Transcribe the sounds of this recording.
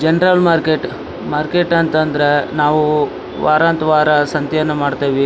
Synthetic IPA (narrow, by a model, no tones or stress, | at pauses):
d͡ʒɛnɾɐlmaːɾkeʈ | maːɾkeʈɐnt̪ɐnd̪ɐɾenaːʋu | ʋa̰ːɾaːnt̪ɐʋaːɾɐsɐnt̪jɐʋɐnːɐmaːɖt̪eːʋi